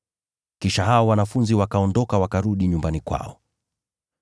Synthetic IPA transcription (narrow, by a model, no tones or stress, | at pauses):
kiʃaɦaɔwanafunziwakaɔndɔkawakaɾuɗiɲumbanikwa̰ɔ